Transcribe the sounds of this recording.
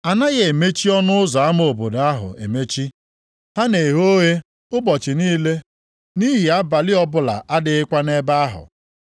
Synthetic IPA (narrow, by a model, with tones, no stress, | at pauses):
a˨na˦ɣe˨e˨me˦t͡ʃi˦ɔ˦nʊ˦ʊ˦zɔ˨a˦m˦o˨bo˨da˦ɦʊ̰˨ḛ˨me˦t͡ʃi˦ | ha˦ne˨ɦo˦ɣe˦ | ʊ˦bɔ˨t͡ʃɪ˨niː˦le˦ | ni˦ɦi˨a˦ba˨lɪ˦ɔ˦bʊ˦la̰˨ʔa˦dɪ˨˦ɪ˦kʷa˦ne˦ba˦a˦ɦʊ̰˨